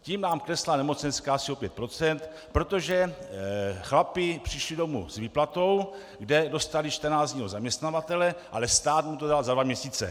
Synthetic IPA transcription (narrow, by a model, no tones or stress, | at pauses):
ciːmnaːmklɛslanɛmo̞t͡sɛnskaːasio̞pjɛt̪̚pɾo̞t͡sɛnt̪ | pɾo̞t̪o̞ʒɛ | xlapɪpr̝̥ɪʃlido̞mṵz̥viːplat̪o̞w | ɡdɛdo̞st̪aliʃt̪ɛnaːzɲiːɦo̞zamɲɛst̪navat̪ɛlɛʔalɛst̪aːt̪mut̪o̞dalzadvamɲɛsiːt͡sɛ̰